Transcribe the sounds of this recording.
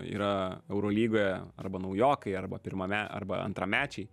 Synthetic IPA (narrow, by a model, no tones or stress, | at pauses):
ḭːɾɐɛʊɾoːlʲiːɡoːjɛɐ̰rbɐnɐʊjoːkɐɪɐɾbɐpʲɪɾmɐmʲæɐ̰ɾbɐ̰ɐ̰nt̪ɾɐmʲæːt͡ʃʲɛɪ